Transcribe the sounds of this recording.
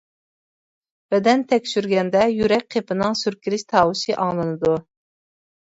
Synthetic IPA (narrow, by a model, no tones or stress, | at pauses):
b̥ɛd̪ɛnt̪ʰɛkʲʃyɾɡʲɛnd̪ɛjyɾɛk̚ʲqʰepɨnɨŋsyɾkʲiɾɪʃt̪ʰɑːwɨʃɨʔɑŋlˠɨnɨd̪u